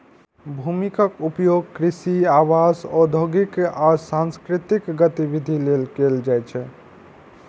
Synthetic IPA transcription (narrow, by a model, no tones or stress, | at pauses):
bʱumikəkupjoɡ̚kɾisiawasɔd̪ʱoɡikasãnskɾit̪ikɡət̪ibid̪ʱilelkeld͡ʒajt͡ʃʰɛ